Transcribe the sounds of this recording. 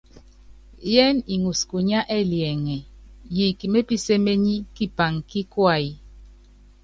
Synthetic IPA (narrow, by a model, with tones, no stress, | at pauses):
jɛ˦ni˨ŋu˨sku˨ɲa˦ʔɛ˦˨ljɛ˨ŋɛ˨ji˨ki˨me˦pi˦se˦me˦ɲi˦ki˦pa˨ŋki˦kwa˦˨i˦